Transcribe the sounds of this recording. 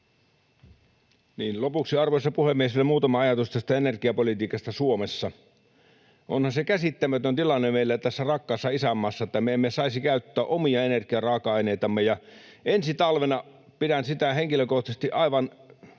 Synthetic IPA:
niːnlopuksiɑrʋoisːɑpuhemːiesilːemuːt̪ɑmɑɑjɑt̪ust̪æst̪æenerkiɑpolit̪iːkɑst̪ɑsuomesːɑ | ʔo̰nhɑnsekæsit̪ːæmæt̪ønt̪ilɑnːemeilːæt̪æsːærɑkːɑːsːɑisæmːɑsːɑet̪ːæmeemːesɑisikæyt̪ːøæʔomiɑenerkiɑrɑːkɑɑineit̪ɑmːejɑ | ʔensit̪ɑlʋenɑ | piɾænsit̪æheŋkiløkoht̪ɑse̥st̪iʔɑiʋɑn

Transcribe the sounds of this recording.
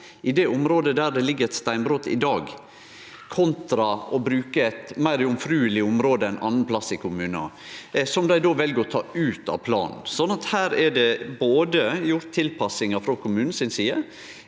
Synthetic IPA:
ɪd̪ɛʊmɾoːd̪əd̪æɾɖ̪ɛlɪɡːəɾɛt̪st̪æɪnbɾot̪ɪ̰d̪ɑːɡ | kʰɔnt̪ɾɑɔbɾʉːkəɛt̪mæɪɾɪʊmfɾʉːəlɪʊmɾoːd̪əɛnʔɑ̰nːənpʰlɑsːɪkʰʊmʉːnɑ̰ | sɔmd̪æɪd̪oːʋɛlɡəɾɔt̪ʰɑːʉːt̪ɑ̰ʋpʰlɑ̰ːnn̩sɔnːɑt̪hæːɾɛɖɛboːd̪əjʊɾt̪ʰːɪlpʰɑsɪŋɑfɾɑkʰʊmʉːnn̩sɪnsiːə

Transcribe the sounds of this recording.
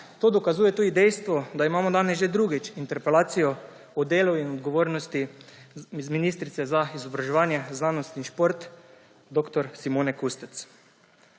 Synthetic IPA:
t̪oːd̪ɔkazuːjɛt̪uːd̪id̪ɛjst̪ʋɔd̪aimaːmɔd̪aːnɛsʒed̪ɾuɡit͡ʃint̪ɛɾpɛlaːt̪sijɔ | ɔd̪eːluinɔd̪ɡɔʋoːɾnɔst̪i | zminist̪ɾit̪sɛzaizɔbɾaʒɛʋaːnjɛznaːnɔst̪niʃpoɾt̪ | d̪oːkt̪ɔɾsimoːnɛkust̪ɛt̪s

